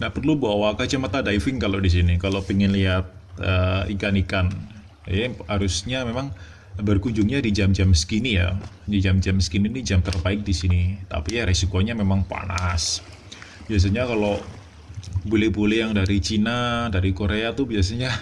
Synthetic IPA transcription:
nahpərlubuawakat͡ʃəmat̪adaifɪŋkalodis̬inikalopiŋɪnliɦat̪̚əikanikan | jahaɾusɲamemaŋ | bərkuɲd͡ʒuŋɲadid͡ʒamd͡ʒaməskinija̰ | did͡ʒamd͡ʒamskininid͡ʒamt̪ərbaɪk̚disinit̪a̰piɾesikoɲamemaŋpa̰na̰s | bias̬aɲakalo | bulɛhbolɛhjaŋdaɾit͡ʃinadaɾikoɾeat̪ubias̬aɲa

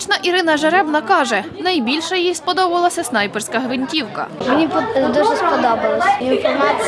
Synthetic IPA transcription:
t͡ʃnɐʔiɾɪnɐʒeɾɛbnɐkɑʒɛnɐjbʲilʲʃɛjijspɔd̪ɔbʊʋɐlˠɐsʲɐsnɑjpersʲkɐɦʋɪnʲtʲiwkɐ̰menʲipd̪uʒɛspɔd̪ɔbɐlˠɐsʲɐinfɔɾma

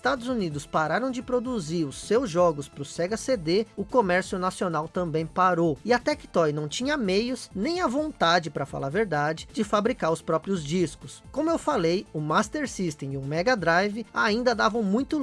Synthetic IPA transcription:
st̪ad̪ʊzunid̪ʊspaɾaɾɐ̃w̃d͡ʒɪpɾod̪uziɾʊsewzʒɔɡʊspɾʊseɡased̪eʊkomɛɾsjʊnasionawt̪ɐ̃mbẽj̃paɾowɪat̪ɛkɪ̥t̪ɔjnɐ̃w̃t͡ʃĩɲɐmejʊznẽj̃ɐvõnt̪ad͡ʒɪpɾɐfa̰laɾveɾd̪ad͡ʒɪd͡ʒɪfabɾikaɾʊspɾɔpɾiʊzd͡ʒiskʊskõmʊewfalejʊmast̪eɾsist̪ẽɪʊmɛɡad̪ɾajvɪaĩnd̪ɐd̪avɐ̃w̃mũj̃t̪ʊ

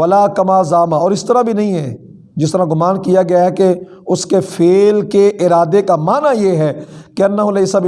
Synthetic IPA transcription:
ɐlaːkɐmaːzaːmaɔːɾɪst̪ɐɾabʱinɐɦĩɦɛː | d͡ʒɪst̪əɾaɡʊmaːnkijaɡɐjaɦɛke | ʊskefʰeːlkeʔɪɾaːd̪ekamaːnajeɦɛːkeɐnːaɦʊlɐɪsab

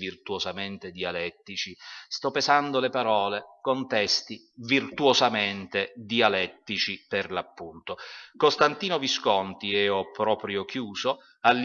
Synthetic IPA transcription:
virt̪uosament̪ed̪ialɛt̪ːit͡ʃist̪ɔpːezand̪olepaɾɔːlekont̪ɛst̪i | virt̪uozament̪ed̪ialɛt̪ːit͡ʃiperlapːunt̪okost̪ant̪iːnoviskɔnt̪iɛːɔpɾɔːpɾjok̟juːzo | alː

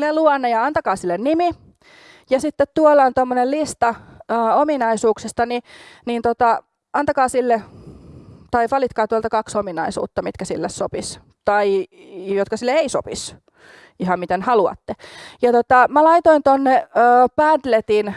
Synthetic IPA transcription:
lːeluɑnːejɑɑnt̪ɑkɑːsilːennimi | jɑsit̪ːet̪t̪uolːɑnt̪omːonellist̪ɑəːominɑisuːksest̪ɑninint̪ot̪ɑ | ɑnt̪ɑkɑːsilːe | t̪ɑiʋɑlit̪kɑːt̪uoɑlt̪ɑkɑksominɑisṵːt̪ːɑmit̪kæsḭlːessopis | t̪ɑi | jot̪kɑsilːeeiso̰pis | ihɑmmit̪enhɑluɑ̰t̪ːejɑt̪ot̪ɑmælɑit̪oint̪onːeəːpæd̪let̪in

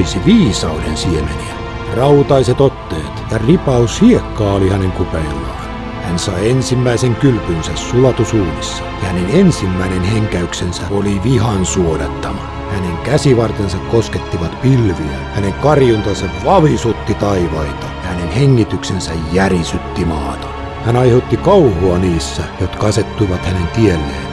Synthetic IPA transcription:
isiʋiːsɑudensiemḛniæ | rɑut̪ɑiset̪ot̪ːeːt̪jɑripɑushiekːɑːolihæneŋkupeilːɑːn | hænsɑiensimːæiseŋkylpynsæssulɑt̪usuːmisːɑ̥jɑhænenensimːæinenheŋkæyksensæoliʋihɑnsuodɑt̪ːɑmɑ | hæneŋkæsiʋɑrt̪ensɑkkosket̪ːiʋɑt̪pilʋiæhæneŋkɑrjunt̪ɑnsɑʋʋɑʋisut̪ːit̪ɑiʋɑit̪ɑ̥jɑhænenheŋːit̪yksensæjjærisyt̪ːimɑːt̪ɑ̥ | hænɑiheut̪ːikɑuhoɑniːsːæjot̪kɑɑset̪ːuiʋɑt̪hænent̪ielːḛːn

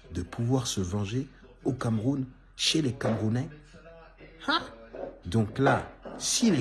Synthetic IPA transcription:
d̪əpʰuvwaʁsəvɑ̃ʒe | okamʁun | ʃelekamʁunɛ | had̪ɔ̃klasile

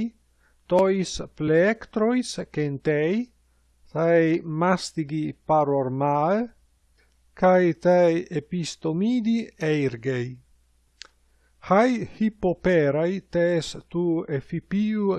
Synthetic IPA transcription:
j | t̪ɔispleekt̪ɾojskent̪ɛj | t̪ajmast̪iɡipaɾoɾmae | kajt̪ajepist̪omiːd̪iejɾɡej | hajhipopeɾajt̪est̪uefipiu

